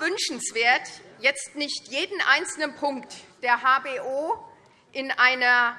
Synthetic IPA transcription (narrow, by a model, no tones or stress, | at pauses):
vʏnʃn̩sv̥eːɐtjɛt͡stnɪçtjeːdn̩ʔa̰ɪnt͡sl̩nənpʰʊŋktd̥eːɐɦaːbeːʔoː | ʔɪnʔaɪnɐ